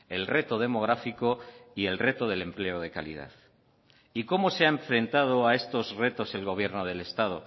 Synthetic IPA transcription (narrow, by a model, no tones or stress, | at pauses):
e̞lre̞t̪o̞ð̞e̞mo̞ɣ̞ɾafiko̞ie̞lre̞t̪o̞ð̞e̞le̞mple̞oð̞e̞ka̰lḭð̞a̰θ | iko̞mo̞seaeɱfɾe̞nt̪að̞o̞ae̞st̪o̞zre̞t̪o̞se̞lɣo̞β̞je̞ɾno̞ð̞e̞lest̪að̞o̞